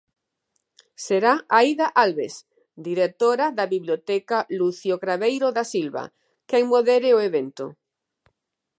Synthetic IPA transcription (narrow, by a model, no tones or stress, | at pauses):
seɾaaiðaʔalβes | d̪iɾek̚t̪oɾaðaβiβljot̪ɛkaluθjokɾaβejɾoðasilβa̰ | keŋmoðeɾeoeβent̪o̰